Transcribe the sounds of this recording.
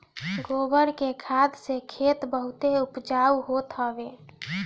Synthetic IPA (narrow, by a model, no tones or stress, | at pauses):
ɡobəɾkekʰad̪sekʰet̪bəɦut̪eupd͡ʒauɦot̪ɦəbe